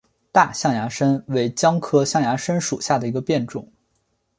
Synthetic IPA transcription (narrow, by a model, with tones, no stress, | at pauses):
t̪a˥˧ɕjɑ˥˩ŋja˧˥ʂə˥nwe˧˥˩ɪt͡ɕjɑ˥ŋkʰɤ˥ɕjɑ˥˩ŋja˧˥ʂə˥nʂṵ˨˩ɕja˥˩d̪ə˩i˧˥ɡə˧pjɛ˥˩nʈ͡ʂʊ̰˨˩˦ŋ